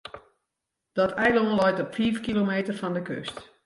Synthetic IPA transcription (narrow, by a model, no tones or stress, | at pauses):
d̥ɔtʰɛjlɔŋlɔjtɔpfiːfkilomeːtərfɔndəkø̰st